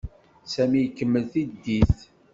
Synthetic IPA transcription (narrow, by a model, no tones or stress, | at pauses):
sæmijkːəmːəlθid̪ːiθ